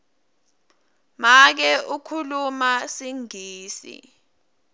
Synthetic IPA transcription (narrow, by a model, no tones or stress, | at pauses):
mak̬ɛʔukʰulumasiŋiːsḭ